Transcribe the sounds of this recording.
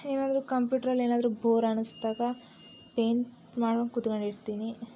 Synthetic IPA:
eːnaːd̪ɐɾukɐmpjuːʈɐɾɐlːe̞ːnaːd̪ɐɾubʱoːɾɐnusd̪aːɡɐ | peːn | maːɽɐnkut̪ukɐɳiɾt̪iːni

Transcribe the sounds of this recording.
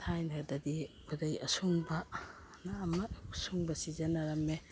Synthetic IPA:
tʰajnɐdɐdibuɾɐjɐsuŋbɐ | naːmɐsuŋbɐsizɐnaɾɐme

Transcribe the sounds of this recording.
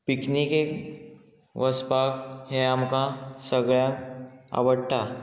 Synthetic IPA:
piknikek | ʋəspakhẽamkãsəɡɭjãka̰ʋəɽʈ̪a

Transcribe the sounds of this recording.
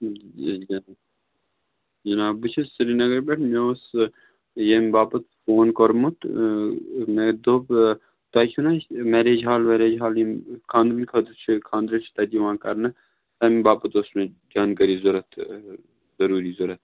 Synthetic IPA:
d͡ʒɐ | d͡ʒɐnaːbut͡ʃʰɐsiɾinɐɡɐɾbɐʈʰmeos | jɐmibaːpɐt̪foːnkoɾmut̪ | med̪ob | t̪ɐːkʰʲunameɾeːd͡ʒɦaːlʋeɾeːd͡ʒɦaːlimkʰãːnd̪minʲkʰɐd̪ut͡ʃʰkʰãːnd̪ɾɐt͡ʃʰt̪ɐt̪iʋãːkɐɾnɐ | ɐmibaːpɐt̪osme | d͡ʒaːnkɐɾiːzʊɾɐt̪ʰ | zɐɾuːɾiːzʊɾɐt̪̚

